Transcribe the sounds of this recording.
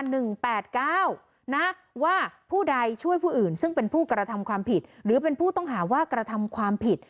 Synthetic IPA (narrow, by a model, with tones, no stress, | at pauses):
nɯ˨˩ŋpɛː˨˩t̪̚kaː˥˩w | na˦˥ | waː˥˩pʰuː˥˩da˧jt͡ɕʰu˥˩əjpʰuː˥˩ʔɯː˨˩nsɯ˥˩ŋpe˧npʰuː˥˩kɾa˧t̪ʰa˧mkʰwaː˧mpʰi˨˩t̪̚ɾɯː˩˦pe˧npʰuː˥˩t̪ɔ˥˩ŋɦaː˩˦waː˥˩kɾa˧t̪ʰa˧mkʰwaː˧mpʰi˨˩t̪̚